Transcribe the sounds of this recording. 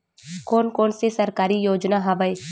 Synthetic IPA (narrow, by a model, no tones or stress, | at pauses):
koːnkoːnsesɐɾkaːɾijoːd͡ʒnaɦɐʋəe